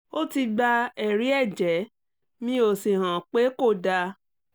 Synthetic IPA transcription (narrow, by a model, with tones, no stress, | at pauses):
o˦ti˧ɡ͡ba˧ɛ˨ɾi˨˦ɛ˦˨d͡ʒɛ˨˦ | mĩ˦o˨si˨ɦã˨k͡pe˨˦ko˦˨da˧